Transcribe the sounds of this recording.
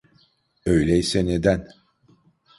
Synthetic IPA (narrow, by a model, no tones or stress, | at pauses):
øjlʲɛjsɛned̪æn